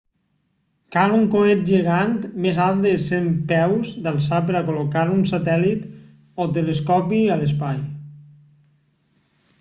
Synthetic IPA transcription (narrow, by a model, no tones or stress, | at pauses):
kaluŋkomet̪̚ʒeɣant̪mezalˠd̪esempɛwzd̪alˠsap̬əɾakolokaɾunsat̪ɛlit̪ | ɔt̪̬eleskɔpialespaj